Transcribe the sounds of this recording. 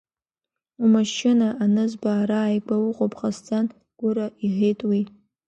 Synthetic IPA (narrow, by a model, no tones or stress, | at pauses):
umaʃɪnaʔanɨzbaːɾaːjɡʷawʊqʼopʼχast͡sʼan | ɡ̥ʷʊɾaʔiʁʲejtʼwi